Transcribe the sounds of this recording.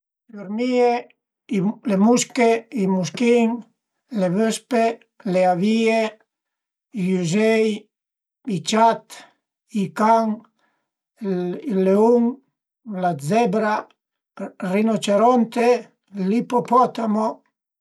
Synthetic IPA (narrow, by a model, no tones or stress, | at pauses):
luɾmie | lemuskeimuskiŋ | leβøspe | leavie | ijuzej | it͡ʃat̪ | ikaŋ | ileuŋ | lad͡zɛbɾa | rinot͡ʃeɾɔnt̪e | lipopɔt̪amo